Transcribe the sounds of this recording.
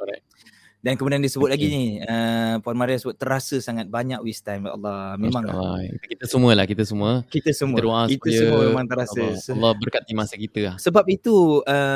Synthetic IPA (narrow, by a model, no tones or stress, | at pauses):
ɔɾa | dankəmũdiandiəsəbʊt̪̚laɡiniəpuanmaɾiasəbʊt̪ːəɾasəsaŋat̪̚baɲaʔwist̪ajma̰a̰lːɑmẽmãŋ̰ikit̪əsəmuəlahkit̪əsəmũəkit̪əsəmũədoaskt̪əjsəəmumemãŋt̪əɾasəlːɔbərkat̪̚ːimasəkit̪əlasəbap̚it̪uə